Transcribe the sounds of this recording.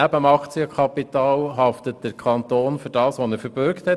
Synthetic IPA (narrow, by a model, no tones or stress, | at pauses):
æbəəmɑkt͡siəkʰχɑpitɑːlɦɑftət̚d̥əɾkʰχɑnt̪oːnfyɾd̥ɑːsʋonɛɾfəɾb̥øɾkthɛ